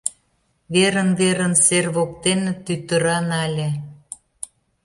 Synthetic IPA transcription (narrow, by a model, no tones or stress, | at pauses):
βeɾənβeɾə̆nserβok̚t̪ent̪yt̪ə̆ɾɑnɑlʲe